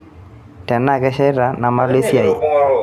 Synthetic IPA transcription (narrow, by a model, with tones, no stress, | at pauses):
tɛ˨nːa˦˨kɛ˦ʃɛ˦jɾa˨˦na˨ma˦le˦si˦a˨i˨